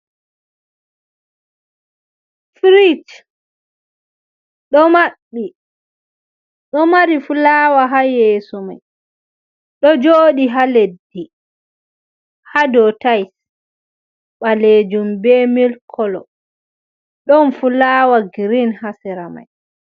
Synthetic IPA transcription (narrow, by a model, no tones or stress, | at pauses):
fɾit | ɗɔmaɗːi | ɗɔmaɾifulaːwaɦajeːsuma̰j | ɗɔd͡ʒoːɗiɦaledːi | hadɔtajs | ɓaled͡ʒumbemilkʰɔlɔ̰ | ɗɔnfulaːwaɡɾinhasɛɾama̰j